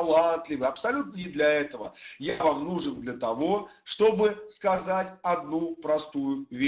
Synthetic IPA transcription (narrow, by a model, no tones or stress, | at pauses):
lˠant̪lʲɪvɨɐpsɐlʲut̪̚nənʲɪd̪lʲɐɛt̪əvəjavamnuʐɨnd̪lʲət̪ɐvo̞ʂt̪o̞bɨskɐzatʲɐd̪nupɾɐst̪ujʊvʲe